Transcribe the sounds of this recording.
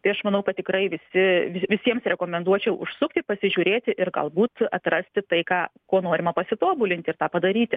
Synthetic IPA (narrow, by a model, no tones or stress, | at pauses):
t̪ɐɪɐʃmɐnɐʊkɐt̪̚ʲtʲɪkɾɐɪʋʲɪsʲɪʋʲɪʋʲɪsʲiɛmsɾʲɛkoːmʲɛnd̪uɔt͡ʃʲɛʊʔʊ̰ʃsʊkt̪ʲɪpɐsʲɪʒʲuːɾʲeːt̪ʲɪʔɪrɡɐ̰lˠbuːt̪ɐt̪rɐsʲt̪ʲɪt̪ɐɪkɑːkoːnoːɾʲɪmɐpɐsʲɪt̪oːbʊlʲɪnt̪ʲɪrt̪ɑːpɐd̪ɐɾʲiːt̪ʲɪ